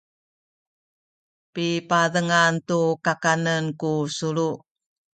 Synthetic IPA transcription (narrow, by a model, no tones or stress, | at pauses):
pipaðəŋantukakanənkusuɾu